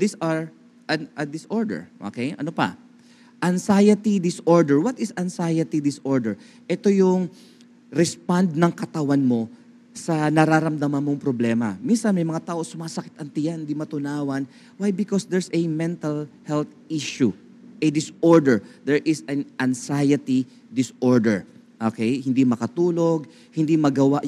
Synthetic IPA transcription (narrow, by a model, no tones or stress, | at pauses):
d̪isɐɹ | ʔɐnɐd̪ɪsʔoɹd̪ɛ̰ɹʔo̰kejʔɐ̰nopɐ̰ | ʔɐnsajɐt̪id̪ɪsoɹd̪ɛɹwɐt̪ɪsɐnsajɐt̪id̪ɪsʔoɹd̪ɛɹ | ʔɛt̪ojʊŋ | ɾɛspand̪̚nɐŋkɐt̪ɐwanmo̞ | sɐnɐɾaɾɐmd̪ɐmɐnmoŋpɾoblɛːmɐ̰minsɐnmɐjmɐŋat̪aːʔo̞sʊmaːsɐkɪ̥t̪ɐŋt̪ɪjanhɪnd̪imɐt̪ʊnaːwɐn | wajbɪkɔsd̪ɛɹsɛmɛ̃nt̪ɐlhɛlt̪ | iʃu | ʔɛd̪ɪsoɹd̪ɛɹd̪ɛɹʔɪsɐnɐnsajɐt̪i | d̪ɪsʔoɹd̪ɛɹ | ʔokɛjhɪnd̪imɐkɐt̪uːlo̞ɡ̚ | hɪnd̪imɐɡɐwaʔ